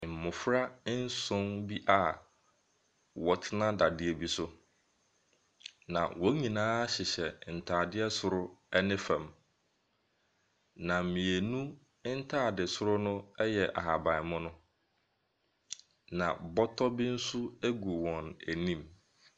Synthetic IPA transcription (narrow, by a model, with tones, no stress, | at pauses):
m̩˨mʊ̃˨fɾa˦n̩˦sʊ̃˦nbi˦ʔa˦ | wɔ˨tʰɪ˦nã˦da˨dɪ˦e˨bi˦sʊ˦ | nã̰˨wɔ˦ɲĩ˨nãː˦ɕɪ˨ɕɛ˨n̩˨tʰaː˨dɪ˦ɛ˦sʊ˨ɾʊ˦ɛ˦nɪ̃˦fã˨m | nã˨m̩˨mĩ˨e˨nũ˦ | n̩˦tʰaː˦˨dɪ˨sʊ˦ɾʊ˦nʊ̃˦ɛ˦jɛ˨ʔa̰˨ɦa˨bã˨ɪ˨mʊ̃˦nʊ̃˦ | nã̰˨bɔ˦tʰɔ˦bɪ˦n̩˦su˦æ˦ɡu˨wɔ̃˨næ˨nĩ˦m